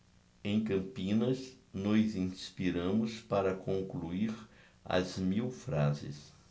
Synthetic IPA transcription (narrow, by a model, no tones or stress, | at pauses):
ẽj̃kɐ̃mpĩnɐsnɔjzĩspiɾɐ̃mʊspaɾɐkõŋkluiɾ | ɐ̰zmiwfɾazɪ̰s